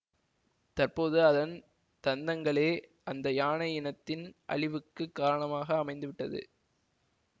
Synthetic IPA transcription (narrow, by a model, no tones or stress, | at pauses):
t̪ɐrpoːðɯɐðɐn | t̪ɐnd̪ɐŋɡɐɭeːʔɐnd̪ɐjaːɳɐjɪnɐt̪ːɪnʔɐ̰ɭɪʋɯkːɯkːaːɾɐɳɐmaːɣɐːmɐɪnd̪ɯʋɪʈːɐðɯ̰